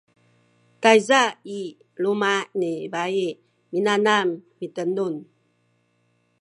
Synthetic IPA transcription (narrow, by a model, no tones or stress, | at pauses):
tajzai | lumanibai | minanamːitənun